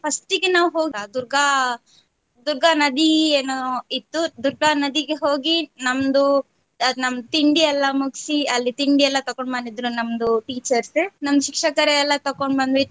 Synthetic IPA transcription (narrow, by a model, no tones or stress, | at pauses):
pʰɐsʈiɡenaːʋɦoːɡɐd̪uɾɡʱa | d̪uɾɡʱanɐd̪ieːnoit̪ːud̪uɾɡanɐd̪iɡeɦoːɡinɐmd̪u | ɐnɐmd̪ut̪iɳɖiɛlːɐmuɡsiɐlːit̪iɳɖiɛlːɐt̪ɐkoɳbɐɳɖid̪ɾunɐmd̪uʈiːt͡ʃɐɾsnɐmd̪ʃikʂɐkɐɾɛɛlːɐt̪ɐkoɳɖbɐnd̪ʋi